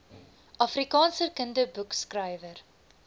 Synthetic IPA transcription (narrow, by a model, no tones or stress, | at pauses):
ʔɐfrikɑːnsəkəndəbukskrəjvər